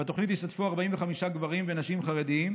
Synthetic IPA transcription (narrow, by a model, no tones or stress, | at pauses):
at̪o̞χnit̪iʃt̪at̪fuaʁbaimveχamiʃaɡvaʁimvenaʃimχaʁed̪iim